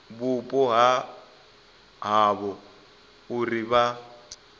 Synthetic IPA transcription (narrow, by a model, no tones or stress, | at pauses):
bupʼɔɦa | ɦaβɔ | ʊriβa